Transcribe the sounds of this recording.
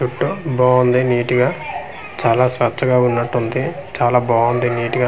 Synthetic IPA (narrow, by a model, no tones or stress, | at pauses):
uʈːubɔːʋɐnd̪iniːʈiɡaː | t͡ʃaːlaːsʋɐt͡ʃːɐɡaːunːɐʈːund̪it͡ʃaːlaːbaːʋɐnd̪iniːʈiɡa